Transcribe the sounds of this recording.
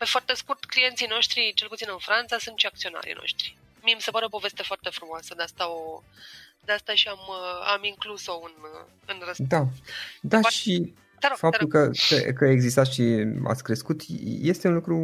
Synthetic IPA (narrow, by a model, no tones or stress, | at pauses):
pe̞foart̪e̞skurt̪klije̞nt̪sino̞ʃt̪ɾit͡ʃelput̪sinɨnfɾant̪sasunt̪ʃiak̚t̪sio̞na̰ɾḭno̰ʃt̪ɾi̥ | miemise̞paɾeo̞po̞ve̞st̪e̞foart̪e̞fɾumoasəd̪east̪ao | d̪east̪aʃiama̰miŋkluso̞ɨn | ɨnrəd̪ad̪aʃi | fap̚t̪ulkəkəkəaeɡzist̪at̪ʃia̰t̪sʲkɾe̞skut̪je̞st̪e̞unlukɾu